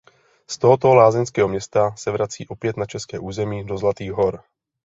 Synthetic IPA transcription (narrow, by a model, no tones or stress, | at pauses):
st̪oɦot̪olaːzɛnskɛːɦomɲɛst̪asɛvɾat͡siːʔo̞pjɛt̪nat͡ʃɛskɛːʔuːzɛmiːdo̞zlat̪iːɣɦo̞ɾ